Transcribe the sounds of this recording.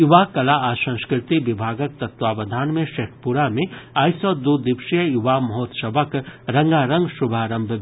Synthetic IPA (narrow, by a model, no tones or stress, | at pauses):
juʋaːkɐlaaːʃɐ̃ŋskɾɪt̪iʋɪbʱaːɡək̚t̪ɐt̪ʋaːʋɐd̪ʱaːnmẽʃeʈʰpuɾamẽaːjsɔːd̪ud̪ɪpʃijəjuʋaːmɐɦoːt̪sɐbʱəkɾɐ̃ŋɡaːɾɐ̃ŋɡʃubʱaːɾɐ̃mbʱ